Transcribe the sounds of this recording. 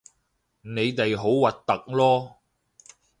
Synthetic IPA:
ne˨˧jt̪e˨jɦo˨˥wwɐ˨t̚t̪ɐ˨k̚lɔː˥

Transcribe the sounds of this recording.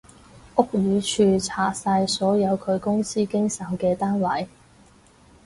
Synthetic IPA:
ʔʊ˥k̚jyː˨˧t͡ʃʰyː˧t͡sʰaː˨˩saː˧jsɔː˨˥jɐ˨˧wkʰɵ˨˧ɥkʊ˥ŋsiː˥kɪ˥ŋsɐ˨˩wkɛː˧t̪aː˥nwɐ˨˥j

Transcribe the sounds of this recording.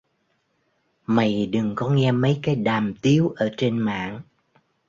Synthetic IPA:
ma˨˩jɗɨ˨˩ŋkɔ˨˦ŋɛ˧mə˨˦jkaː˨˦jɗaː˨˩mt̪i˨˦əwʔəː˧˩t͡ɕe˧nma̰ː˧˨ŋ

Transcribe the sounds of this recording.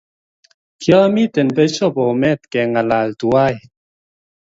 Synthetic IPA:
kjɔ˦mi˦˨tɛ˨npe˦t͡ʃo˦˨pɔ˨mɛ˦˨t̪̚kɛ˨ŋa˨la˨ltu˨a˦˨j

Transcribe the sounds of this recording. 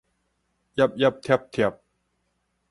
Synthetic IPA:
ja˦˥p̚ja˦˩p̚t̪ʰe˦˥p̚t̪ʰe˨˩p̚

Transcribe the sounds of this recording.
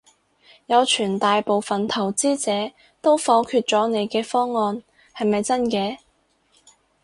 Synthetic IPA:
jɐ˨˧wt͡ʃʰyː˨˩nt̪aː˨jpo˨wfɐ˨nt̪ʰɐ˨˩wt͡siː˥t͡sɛː˨˥ | t̪o˥wfɔː˨˥kʰyː˧t̚t͡ʃɔː˨˥ne˨˧jkɛː˧fɔː˥ŋːɔː˧n | hɐ˨jmɐ˨jt͡sɐ˥nkɛː˨˧

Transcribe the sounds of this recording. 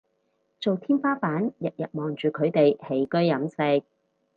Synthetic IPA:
t͡so˨wt̪ʰiː˥nfaː˥faː˨˥njɐ˨t̚jɐ˨t̚mɔː˨˩ŋt͡ʃyː˨kʰɵ˨˧ɥt̪e˨jhe˨˥jkɵ˥ɥjɐ˨˥mse˧k̚

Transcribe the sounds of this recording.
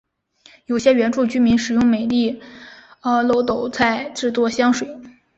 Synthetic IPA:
jo˨˩ʊɕjɛ˥ɥɛ˧˥nʈ͡ʂu˥˩t͡ɕy˥mi˧˥nʂɻ̩˨˩jʊ˥˩ŋme˨˩ɪt̪i˥˩ | ə˧˩lo˧˥ʊt̪o˨˩ʊt͡sʰa˥˩˧ɪʈ͡ʂɻ̩˥˧t͡swɔ˥˩ɕjɑ˥ŋʂwe˨˩ɪ

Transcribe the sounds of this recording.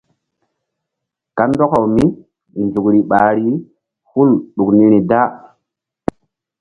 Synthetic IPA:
ka˦ndo˦ka˨wmi˦ | nzu˨kɾi˨ɓa˨ɾi˦ | hu˦lɗu˨kni˦ɾi˨da˦

